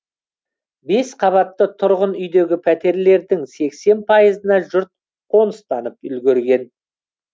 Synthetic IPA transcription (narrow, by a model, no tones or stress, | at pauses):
be̞sqʰɑβɑt̪ːət̪ʰʊɾʁənʏjd̪e̞ɡʲɪpʰæt̪e̞ɾle̞ɾd̪ɪŋse̞kse̞npʰɑjəzənɑʒʊɾt̪̚ | qʰo̞nəst̪ɑnəp̚ʏlɡʲeɾɡʲe̞n